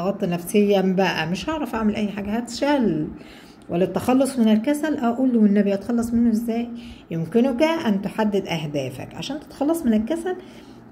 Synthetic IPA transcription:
ɑɣɑt̪ˤːnæfsejːæbæʔæ̰meʃhɑʕɾˤɑfʔaʕmelʔæjːħaːɡæhæt̪ʃæl | wælːæt̪ːæxɑlːosˤmenelkæsælʔæʔuːlːowenːæbiʔɑt̪xɑlːɑsˤmenːoʔezːæːjjemkɪnokæʔænt̪oħad̪ːed̪ʔæhd̪æːfæ̰kʕa̰ʃæːnt̪e̥t̪xɑlːɑsˤmenelkæsæl

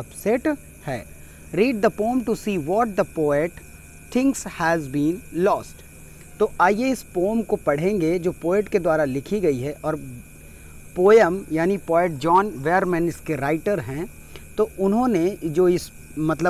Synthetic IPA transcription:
ɐpsɛʈ | hɛː | ɾiːɖ̚d̪əpoːmʈusiːʋɔːʈ̚d̪əpoːeʈ | t̪ʰɪ̃ŋɡshɛzbĩːnlɔːsʈ | t̪oʔajeɪspoːmkopɐɽ̤ẽːŋɡed͡ʒoːpoːeʈked̪waːɾalɪkʰiɡɐiɦɛʔɔːɾ | poːjəmjaːnipoːeʈ̚d͡ʒɔːnʋɛːəɾmɛ̃nɪskeɾaːɪʈəɾɦɛ̃ | t̪oʊnɦõned͡ʒoːɪs | mɐt̪lə

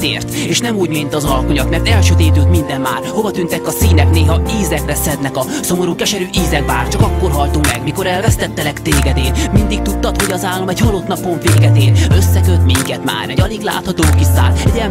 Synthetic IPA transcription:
ḛːrt̪eːʃnɛmuːɟmint̪ɒzɒlkoɲɒt̪mɛrt̪ɛlʃøːt̪eːt̪øːt̪mind̪ɛmːa̰ːrho̞vɒt̪ynt̪ɛkːɒsiːnɛkneːɦɒiːzɛkrɛsɛd̪nɛkɒso̞mo̞ɾuːkɛʃɛɾyːʔiːzɛkbaːrt͡ʃɒkɒkːo̞rɦɒlt̪ummɛɡmiko̞ɾɛlvɛst̪ɛt̪ːɛlɛkt̪eːɡɛd̪eːlmind̪ik̚t̪ut̪ːɒt̪ho̞ɟɒzaːlːomɛɟhɒlot̪nɒpo̞ɱveːɡɛt̪eːlø̞sːɛkøt̪miŋkɛt̪ma̰ːɾɛɟɒliɡla̰ːt̪hɒt̪oːkisa̰ːlɛɟɛɛ

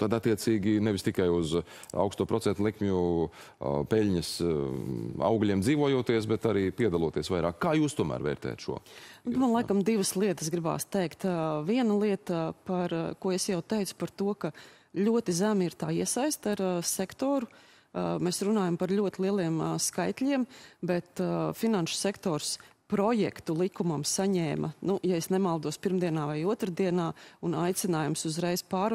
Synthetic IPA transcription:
t̪ad̪at̪ːiɛt̪siːɡʲinɛvʲist̪ikajuz | a̰wkst̪uːpɾʔɔsɛnt̪lˠikmʲɲu | pɛlʲɲəs | a̰wɡlʲiɛmd̪ziːʋuɔjuɔt̪iəs̬bɛt̪aɾiːpiɛd̪alˠuɔt̪iɛsʋajɾa̰ːkːaːjuːst̪uɔmʔæ̰ːɾvɛ̰ːɾt̪ɛ̰ja̰t̪ʃṵɔnupmanlˠajkɐmd̪iʋəslˠiɛt̪ə̥sɡɾiba̰ːst̪ɛjkt̪viɛnɐlˠiɛt̪ɐpaɾkuɔesjawt̪ɛjt̪sʊ̥paɾt̪uɔkɐ | lʲuɔt̪izæmiɾt̪aːiɛsajst̪aɾsɛkt̪ɔːɾu | mɛːsɾunaːjɐmpɐɾlʲuɔt̪ɪlˠiɛlˠiɛmskajt̪lʲiɛmbɛt̪finanʃʊ̥sɛkt̪ɔːɾs | pɾɔjɛ̰kt̪ulˠikumɐmsaɲɛːmʔɐ̰nujaesnɛmalˠd̪uɔspiɾmd̪iɛnaːvajuɔt̪ɾad̪iɛnaːunajt̪sɪnaːjumsuzɾɛjz̥paːɾ

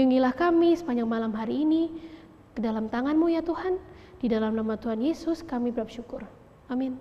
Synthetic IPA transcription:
juŋilahkamisə̥paɲaŋmalamɦaɾiːni | kədalamt̪aŋanmujat̪uɦan | d̥idalamnamat̪uɦanjesʊskamibəɾap̚ʃukʊr | amin

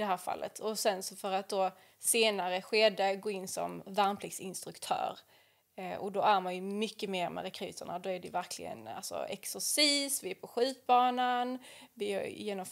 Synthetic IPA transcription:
d̪ɛɦæːɾfa̰lːʔə̰t̪ʰɔsɛnsɔfœɾat̪̚d̪o | seːnaɾəɧeːd̪əɡoːɪnːsɔ̰mvaɾnpʰlɪɡsɪnst̪ɾɵkt̪ʰœ̰ːɾ | ʔɔd̪ɔæɾmanjɵmʏkːəmeːɾmɛ̰ɾɛkʰɾʉ̰ːt̪ʰəɳa̰d̪ɔæɖɛjɵ̰væɾkʰlɪ̰ɡə̰na̰lsɔ̰ɛ̰ksʊsiːsvɪæɾpʰɔɧʉ̟ːt̪̚bɑːnanvɪj̰jeːnɔm

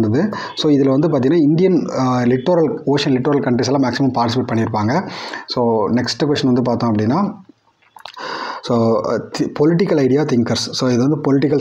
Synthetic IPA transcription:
nd̪ɐðɯ | soːɪðɪlɐʋɐnd̪ɯpaːt̪iŋɡɐnːaːɪnd̪ɪjɐnlɪʈːoːɾɐloːʂɐnlɪʈːoːɾɐlkɐɳʈɾisɐlãːmaːksɪmɐmpaːʈɪsɪpeːʈ̚pɐɳːɪɪɾɯpːaːŋɡɐsoːnɛksʈɯkʋɛsʈːɐnʋɐnd̪ɯp̬aːɾt̪õɐp̬ːɐɽɪnːaː | soːt̪pɔlɪʈːɪkːɐlɐɪɽɪjaːt̪ɪŋkɐɾsːoːɪðɯʋɐnd̪ɯpɔlɪʈ̬ːɪkːɐl

